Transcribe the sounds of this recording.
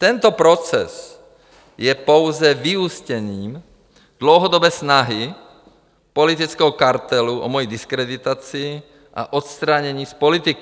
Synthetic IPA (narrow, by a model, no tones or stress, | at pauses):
t̪ɛnt̪ɔpɾɔt͡sɛ̰z | jɛpɔʊzɛviuscɛniːm | d̪̥lɔʊɦɔd̪ɔbɛːsnaɦi | pɔlit̪it͡skɛɦɔkaɾt̪ɛluʔɔ̰mɔjid̪iskɾɛd̪it̪at͡siː | ʔa̰ʔɔt̪st̪ɾaɲɛɲiːspɔlit̪iki